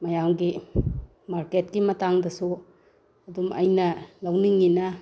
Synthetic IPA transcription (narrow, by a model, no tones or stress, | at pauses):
mɐjamɡi | maɾket̚ɡimɐtaŋdɐsu | ɐdumʔɐjnɐlawniŋːinɐ